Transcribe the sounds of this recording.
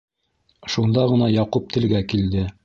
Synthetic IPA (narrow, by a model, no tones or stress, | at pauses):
ʃund̪ɑʁɤ̆nɑjɑqup̚t̪ʰɘ̆lɡækild̪ɘ